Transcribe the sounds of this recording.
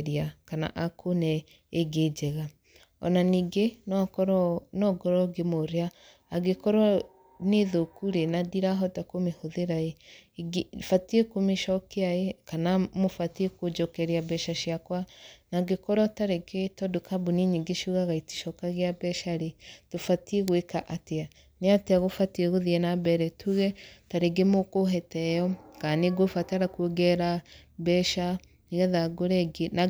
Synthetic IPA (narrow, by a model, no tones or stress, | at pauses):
ɾiakana̰ʔakonɛ | eɡed͡ʒɛɣa | ɔ̰naniɡenkɾnɔɡɔɾɔɡemoɾeaː | ɡekɔɾɔ | neðokuɾenadiɾaɦɔtakomehoðeɾaeɡfatiekomeʃɔkeaekanamofatiekod͡ʒɔkɛɾeabɛʃaʃiakwanaɡekɔɾɔtaɾeketɔdukabuniɲiɡiʃuɣaɣaiti̥ʃɔkaɣeabɛʃaɾetofateɣwekaʔatea | neateaɣofatieɣoðiɛnabɛɾɛtʰuɣɛtaɾeɡemokoɦɛtɛjɔkaneɡofataɾakuoɡɛɾabɛʃa | iɣaðaɡoɾɛɡena